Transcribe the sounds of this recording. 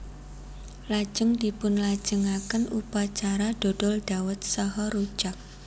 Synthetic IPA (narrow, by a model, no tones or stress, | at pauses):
lḁd͡ʒ̥əŋd̪̥ipʊnlḁd͡ʒ̥əŋakənupat͡ʃaɾad̥o̤d̥ɔld̥awət̪̚sɔɦɔɾu̥d͡ʒ̥ak̚